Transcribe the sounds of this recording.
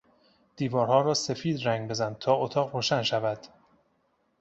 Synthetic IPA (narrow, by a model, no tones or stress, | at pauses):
d̪̥iːvɒːɾhɒːɾɒːse̞fiːd̪ræŋɡbe̞zæn̚t̪ʰɒːot̪ʰɒːɣɾoːʃænʃævæd̪̥